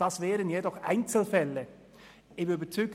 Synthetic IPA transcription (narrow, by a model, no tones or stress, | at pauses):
d̥ɑsvɛːɾənjedɔχʔa̰ɪnt͡sl̩fɛlːə | ɪmybət͡sʁyk